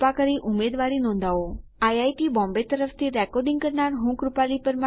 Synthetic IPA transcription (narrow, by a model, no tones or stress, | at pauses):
pakəɾiʔʊmeːd̪ʋaɾinõːnd̪ʱaʋoajajʈibɔ̃mbet̪əɾəft̪ʰiɾɛkɔɾɖɪ̃ŋɡkəɾnaɾɦũkɾʊpalipəɾmã